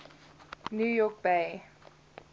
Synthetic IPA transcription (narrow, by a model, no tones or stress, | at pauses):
njuːjɔk̚beɪ